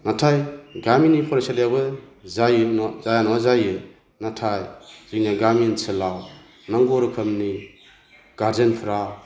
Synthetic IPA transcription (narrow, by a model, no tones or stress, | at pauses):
natʰajɡaminipʰɔɾeseljabɯzajnzajanazajɯ | natʰajzinaɡaminsɯlaw | naŋɡɔɾɯkʰɐmni | ɡ̥aɾzenpʰɾa